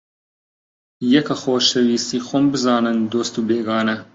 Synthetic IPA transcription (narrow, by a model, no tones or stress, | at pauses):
jɛkɐxoːʃɐwiːst̪iːxombɨzɑːnɨnd̪oːst̪uːbeːɡɑːnɐ